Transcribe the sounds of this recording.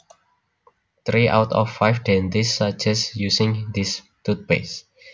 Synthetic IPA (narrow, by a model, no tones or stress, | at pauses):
t̪ɾiʔa̰wt̪ɔ̰fːajfdɛ̃nd̪isad͡ʒɛsjusɪ̃ŋd̪is | t̪ut̪̚bḛs